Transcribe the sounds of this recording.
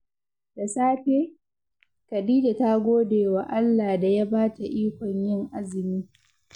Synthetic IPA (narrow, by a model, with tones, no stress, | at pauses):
d̥a˨saː˦ɸeː˦ | kɐ˨diː˦da˨ta˦ɡʷoː˦deː˨wa˨ʔa˦lːaː˨da˨ja˦baː˦ta˨ʔiː˦kʷɔ˨ɲjɪ˦ŋʔa˦zɪ˨miː˦